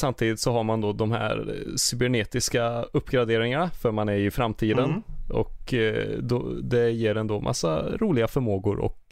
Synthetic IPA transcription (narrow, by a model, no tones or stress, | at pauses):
samt̪ʰiːd̪ɪt̪sɔɦaɾmand̪od̪ɔmhæ̰ːɾsʏbɛɳeːt̪ɪskaɵpːɡɾad̪eːɾɪŋanafœɾmanæɾɪfɾamt̪ʰiːd̪ənɔ̰kd̪ɔ̰d̪ɛjeːɾɛnd̪oːmʔa̰sːa̰ɾuːlɪɡafœɾmoːɡʊɾɔ̰k